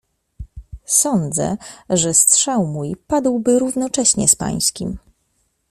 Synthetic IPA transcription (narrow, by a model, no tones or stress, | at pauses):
sɔnd̪zɛ̰ʐɛstʂawmujpad̪wbɘɾuvnɔt͡ʂɛɕɲɛ̰spa̰j̃skʲḭm